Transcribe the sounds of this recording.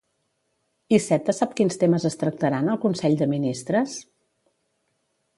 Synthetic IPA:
isɛt̪əsapkinst̪eməzəst̪ɾək̚t̪əɾanəlˠkunsɛʎd̪əminist̪ɾəs

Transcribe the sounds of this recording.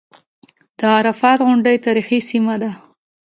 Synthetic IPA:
d̪̥əɑɾafɑt̪ɣʊɳɖəjt̪ɑɾixisimad̪a

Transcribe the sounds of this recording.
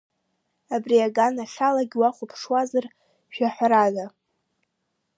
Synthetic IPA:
abriaɡanaɬʲalaɡʲwaχʷʊpʰʂwazar | ʃᶣaħʷɾaza

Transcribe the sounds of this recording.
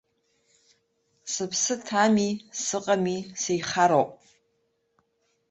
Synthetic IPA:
sɨpʰsɨtʰamisɨqʼamisejχaɾowpʼ

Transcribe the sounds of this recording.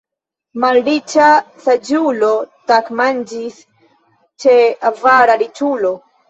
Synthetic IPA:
malɾit͡ʃasad͡ʒulotakmand͡ʒis | t͡ʃeavaɾaɾit͡ʃulo̞

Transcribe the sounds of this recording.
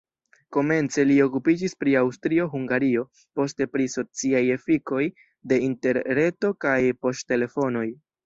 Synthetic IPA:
ko̞me̞nt͡se̞lio̞kupid͡ʒispɾiawstɾio̞ɦuŋɡaɾio̞ | po̞ste̞pɾiso̞t͡siaje̞fiko̞j | de̞inte̞ɾɾe̞to̞kajpo̞stte̞le̞fo̞no̞j

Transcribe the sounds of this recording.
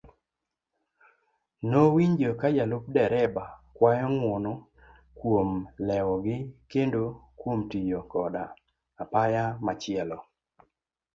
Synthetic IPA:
nowiɲd͡ʒokajalʊp̚dɛɾɛbakwajɔŋwɔnɔ | kwomlɛwɔɡɪkendokwomtijokɔdaː | pajamat͡ʃɪɛlɔ

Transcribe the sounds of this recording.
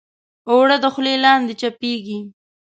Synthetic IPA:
oɽəd̪əxwlelɑnd̪et͡ʃapeɡi

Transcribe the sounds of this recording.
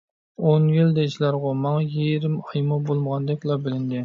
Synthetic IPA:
onjild̪ɛʃlɑɾʁɑmɑŋɑjeɾɪmɑjmubolˠməʁɑnd̪ɪk̚ʲlˠɑbɪlɪnd̪ɪ

